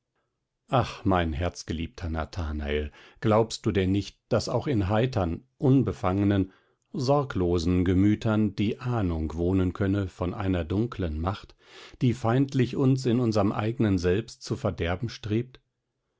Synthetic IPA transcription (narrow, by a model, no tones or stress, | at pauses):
ʔaχmaɪnɦɛɐt͡sɡ̥əliːp̚tʰɐna̰tʰaːna̰elɡ̥laʊpstd̥uːdɛnːɪçt̚d̥asaʊxɪnɦaɪtʰɐnʔʊnbəfaŋənən | zɔɐkloːzn̩ɡəmyːtʰɐnd̥iːʔaːnʊŋkv̥oːnənkʰœnəfɔnʔa̰ɪnɐdʊŋklənmaχt | d̥iːfaɪntlɪçʊnsɪnʊnzəʁəmʔa̰ɪɡənənzɛlpstt͡sufɛɐdɛɐbm̩ʃtʁ̥eːp̚t